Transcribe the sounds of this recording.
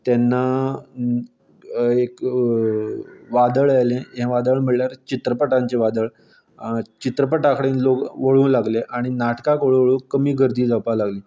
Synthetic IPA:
t̪ɛnːa | ek | ʋad̪əɭajlẽɦẽʋad̪əɭm̤əɭljaɾt͡ɕit̪ɾəpəʈãɲt͡ɕeʋad̪əɭ | t͡ɕit̪ɾəpəʈãkʰəɽẽːnlokʋəɭ̤ũːlaɡleʔaɽ̃inaʈkakəɭʋəɭũːkəmiːɡʱəɾd̪ʱiːd͡zapalaɡliː

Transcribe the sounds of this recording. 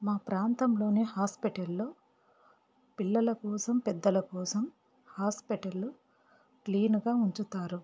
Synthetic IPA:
maːpɾaːnt̪ɐmlo̞ːneːhaːspiʈɐlːo̞ː | pilːɐlɐkɔːsɐmpɛd̪ːɐlɐkɔːsɐm | haːspiʈɐlːu | kliːnuɡaːuɲt͡ʃut̪aːɾu

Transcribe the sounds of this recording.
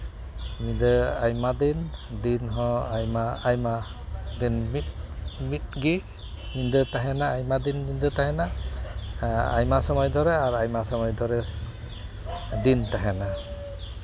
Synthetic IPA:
midɯajmadindinɦɔ̃ajmaajmadinmit̚mit̚ɡi | nindɯtaɦɛnaːjmadinːindɯtaɦɛna | a̰jmasɔmɔjd̪ʱɔɾɛaɾajmasɔmɔjd̪ʱɔɾɛ | dintaɦɛna

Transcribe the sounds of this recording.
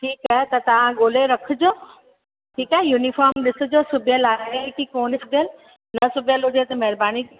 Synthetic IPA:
ʈʰiːkaɦet̪ɐt̪ɐʋ̤ãɠoːleɾɐkʰʊ̆d͡ʑoː | ʈʰiːkaɦejuːnifaːɾmɗɪsʊ̆d͡ʑoːsʊbʱijəlaːɾeɪkikoːnɪsʊbʱijəl | nɐsʊbʱijəlɦʊd͡ʑet̪ɐmɐɦɪɾbaːni

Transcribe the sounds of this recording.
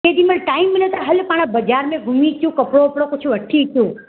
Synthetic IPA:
ed̪iməlʈaimːənet̪aɦəlpaɽ̃abəd͡ʒaɾmẽɡʱumit͡ʃjũkəpɽoːpɽokot͡ʃʰuəʈʰːit͡ʃjũ

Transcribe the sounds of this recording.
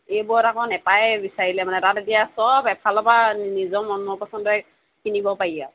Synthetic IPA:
ejbutakɔnɛpajbisaɹilɛmanɛtatetijasɔbɛpʰalɔpanizɔmɔnɔpɔsɔndɔ | kinibɔpaɹija

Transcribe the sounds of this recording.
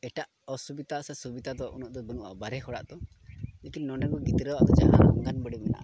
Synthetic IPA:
ɛʈaʔ | ɔsubit̪asɛsubit̪at̪ɔʔunɔʔd̪ɔbɔnuʔa̰baɾɛhɔɽa̰ʔt̪ɔ | lekinnɔɳɖɔnkɔɡit̪ɾɔwaʔk̪ɔd͡ʒa̰ɦaɔ̰ŋɡanbɔɽimɛna̰ʔa

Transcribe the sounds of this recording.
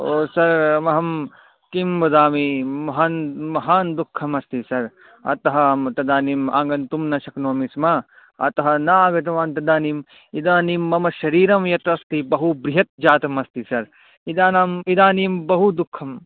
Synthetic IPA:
oːsɐɾmɐɦɐm | kimbɐd̪aːmimɐɦanmɐɦaːnd̪ukʰːɐmɐst̪isɐɾ | ɐ̰t̪ɐɦɐmɐt̪ɐd̪aːnima̰ːŋɡɐnt̪umnɐʃɐknoːmismɐ | ɐ̰t̪ɐɦɐ̆nɐaːɡɐt̪̬ɐʋaːnt̪ɐd̪aːniːm | id̪aːnimːɐmɐʃɐɾiːɾɐmjɐt̪ɐst̪ibɐɦubɾiɦɐt̪̚d͡ʒaːt̪ɐmɐst̪isɐɾ | id̪aːnaːmid̪aːniːmbɐɦud̪ukʰːɐm

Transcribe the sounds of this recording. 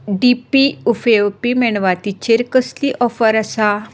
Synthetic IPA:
ɖipiufeʋpimɛɳʋat̪it͡ɕeɾkəsliʔɔfəɾasa

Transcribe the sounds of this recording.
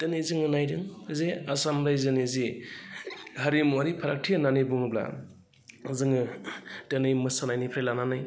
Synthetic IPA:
tɯnɯjzɯŋɯnajdɯŋzeasamɾajzɯnizi | haɾimuaɾipʰaɾak̚tʰiananɯjbuŋɯbla̰ | zɯŋɯtɯnɯjmɯsanajnipʰɾelananɯj

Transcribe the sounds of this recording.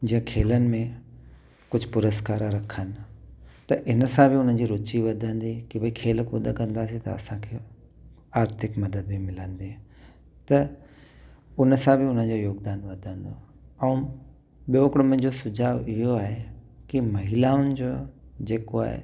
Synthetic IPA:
d͡ʑĩə̃kʰeːlənɪ̆mẽ | kʊd͡ʑʱpʊɾəskaːɾɾɐkʰənɪ̆t̪ɐʔɪnəsãbʱɪʊn̤ən̆d͡ʑiɾʊt͡ɕiʋɐd̪ʱə̃nd̪ikibəikʰeːlkʊd̪ʱəkɐ̃nd̪aːsĩt̪ɐ̰ɐ̰sãkʰeː | aːɾt̪ʰɪkmɐd̪əd̪̚bʱimɪlə̃nd̪ĩ | t̪ɐ | ʊnəsãbʱɪʊn̤ən̆d͡ʑojoːɡd̪aːnʋɐd̪ʱə̃nd̪o̰ | ɛ̃ũ | ɓijoɪkɽmə̃̆d͡ʑosʊd͡ʑʱaːʋɪɦoaːɦekimɐɦɪlaːʊnɪ̆d͡ʑoːd͡ʑeːkoa̰ːɦḛ

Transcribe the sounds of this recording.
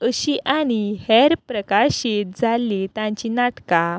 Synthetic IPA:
əɕiʔañihɛɾpɾəkaɕet̪̚d͡zʱalːet̪ãɲt͡ɕinaʈka

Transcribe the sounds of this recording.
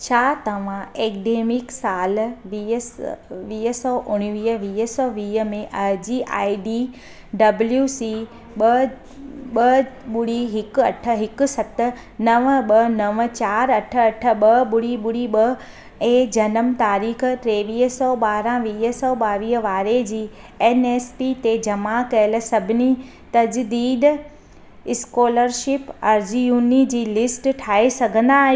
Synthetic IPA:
t͡ɕʰaːt̪ɐʋ̤ãeːkɖeːmɪksaːlʋiːɦʋiːɦəsɔːʔʊɽ̃ʋiːɦəʋiːɦəsɔːʋiːɦə̆mẽʔɐɦd͡ʑiʔa̰ːiɖiː | ɖɐbljuːsiː | ɓɐ | ɓɐɓʊɽiɦɪkʊɐʈʰə̆ɦɪkʊ̆sɐt̪ə̆ | nɐʋəɓɐnɐʋət͡ɕaːɾɐʈʰə̆ɐʈʰə̆ɓɐɓʊɽiɓʊɽiɓɐ | ẽːd͡ʑɐnəmt̪aːɾiːx̆ʈ̪ɾeːʋiːɦsɔɓaːɾãʋiːɦəsɔɓaːʋiːɦə̆ʋaːɾed͡ʑiː | eːneːspit̪ed͡ʑɐmakɐɪl̆sɐbʱɪni | t̪ɐd͡ʑd̪iːd̪ | ɪskoːləɾʃɪpɐːɾd͡ʑijuːnid͡ʑiːlɪsʈʈʰaːesɐɡʱə̃nd̪aːɦi

